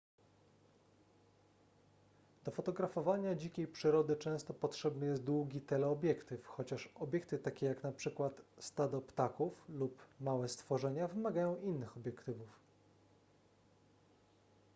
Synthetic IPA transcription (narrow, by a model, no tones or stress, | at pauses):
d̪̥ɔfɔt̪ɔɡɾafɔvaɲad͡ʑikʲejpʂɘɾɔd̪ɘt͡ʂɛ̃w̃st̪ɔpɔtʂɛbnɘjɛst̪̚d̪wuɡʲit̪ɛlɛɔbʲjɛkt̪ɘfxɔt͡ɕaʂɔbʲjɛkt̪ɘt̪akʲɛjaknapʂɘkwat̪st̪ad̪ɔpt̪akuflupmawɛst̪fɔʐɛɲavɘmaɡajɔ̃w̃ʔinːɘxɔbʲjɛkt̪ɘvuf